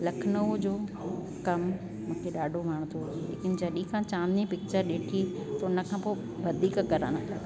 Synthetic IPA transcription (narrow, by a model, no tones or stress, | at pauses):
lɐkʰnəʋd͡ʑoː | kɐm | mũːkʰeɗaːɖʱoʋaːɽ̃t̪ʰoːlḛːkɪnd͡ʑɐɗĩkʰãt͡ɕaːnĩpɪk̚t͡ɕəɾɗeːʈʰit̪ɐʊnə̆kʰãːpoː | bɐd̪ʱiːkkɐɾa̰ːnat̪ʰa